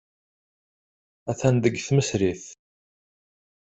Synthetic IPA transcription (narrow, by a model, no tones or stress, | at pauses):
æθænd̪əɡθməsɾiθ